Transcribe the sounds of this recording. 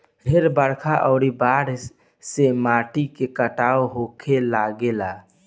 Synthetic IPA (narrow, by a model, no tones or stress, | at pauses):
ɦeɾbəɽkʰaʔɔːɾibaːɽ | semaːʈikekəʈaːoɦoːkʰelaːɡelaː